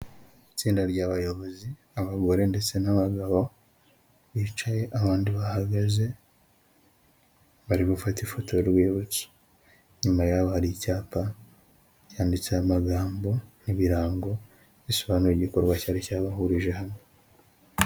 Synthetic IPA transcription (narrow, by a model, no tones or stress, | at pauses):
it͡siːndaɾɟaːβajo̞βo̞zi | aβaɡo̞ɾe̞nde̞t͡se̞naβaɡaβo̞ | βit͡ʃaje̞ʔaβaːndiβahaɡaze̞ | βaɾiβafatifo̞tʰo̞ɾɾweːβot͡su̥ | ɲumajaːβohaɾicaːpa | caːndit͡sajamaɡaːmbo̞niβiɾaːŋɡo̞ | βisoβaːnuɾeɟiko̞ɾɡwacaːɾicaβahuɾiʒe̞hamo